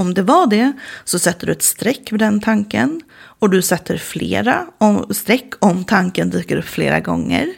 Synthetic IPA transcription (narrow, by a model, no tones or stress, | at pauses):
ɔmd̪ɛvaɖɛsɔsɛt̪ːəɖɵɛt̪st̪ɾɛkːvɛd̪ɛnt̪ʰaŋkən | ɔd̪ɵsɛt̪ːəɾflḛːɾast̪ɾɛkːɔmt̪ʰaŋkənd̪yːkəɾɵpːflḛːɾa̰ɡɔ̰ŋːə̰ɾ